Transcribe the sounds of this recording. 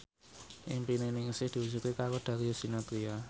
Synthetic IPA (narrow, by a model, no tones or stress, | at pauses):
ʔɪŋmpinenɪŋsɪhd̪̥i̤wusukekakod̪̥ä̤ɾijosinat̪ɾia